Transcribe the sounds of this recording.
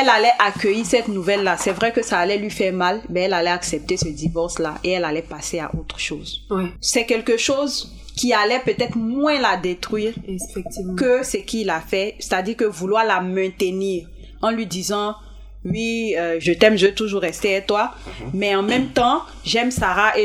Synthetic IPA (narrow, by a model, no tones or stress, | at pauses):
ɛlalɛʔakøjisɛt̪nuvɛlːasɛvʁɛkəsaːlɛlɥifɛʁmalbɛɛlalɛaksɛp̚t̪esəd̪ivɔʁslaʔeɛlalɛpasea̰ʔot̪χʃoːzsɛkɛlkəʃoz | kʲialɛpøt̪ɛt̪χmwɛ̃lad̪et̪χɥiːʁɛkøsəkʰilafɛsɛ̥t̪ad̪iʁkəvulwaʁlamɛ̃t̪əniːʁ | ɑ̃lɥid̪izɑ̃ | ɥiøʒət̪ɛmʒəvt̪uʒuʁɛst̪eɛt̪wamɛɑ̃mɛ̃mt̪ɑ̃ | ʒɛmsaʁaʔe